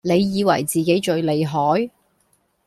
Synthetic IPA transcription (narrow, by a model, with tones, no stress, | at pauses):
ne˨˧jːiː˨˧wɐ̰˨˩jt͡siː˨ke˨˥jt͡ʃɵ˨˧ɥle˨˧jɦɔː˨˥j